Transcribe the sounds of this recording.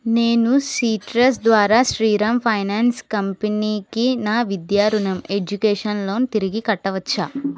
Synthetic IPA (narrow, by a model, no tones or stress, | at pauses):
neːnusiːʈɾɐs̬d̪ʋaːɾaːʃɾiːɾɐmpʰɐjnaːnskɐmpeniːkinaːʋid̪jaːɾunɐme̞d͡ʒukeːʂɐnlo̞ːnut̪iɾiɡikɐʈːɐʋɐt͡ʃːaː